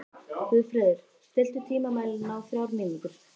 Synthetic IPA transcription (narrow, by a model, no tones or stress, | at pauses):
hʏfɾɛːðɪɾ̥ | st̪ɪl̥t̪ʏt̪ʰiːmamaːjlnawfɾawɾmɪːniŋkʏɾ̥